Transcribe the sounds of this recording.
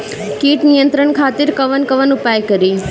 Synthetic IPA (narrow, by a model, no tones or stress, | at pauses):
kiːʈnijənt̪ɾəɳkʰaːt̪ɪɾkəʋənkəʋənʊpajkəɾi